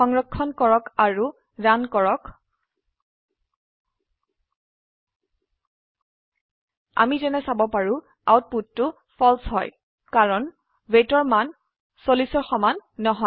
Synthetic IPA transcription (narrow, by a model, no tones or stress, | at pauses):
ɔŋɹɔkʰːɔnkɔɹɔkaɹu | ɹankɔɹɔk | a̰mizɛnɛsabɔpaɹu | a̰wt̚puttʊ | fʰɔlsɦɔj | kaɹɔn | wetɔɹman | solisɔɹxɔmanːɔɦɔ